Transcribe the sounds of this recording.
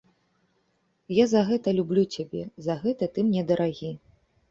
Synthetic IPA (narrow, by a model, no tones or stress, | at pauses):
jazɐɣɛt̪ɐlʲublʲut͡sʲabʲɛzɐɣɛt̪ɐt̪ɨmnʲɛd̪ɐɾʔaɣʲi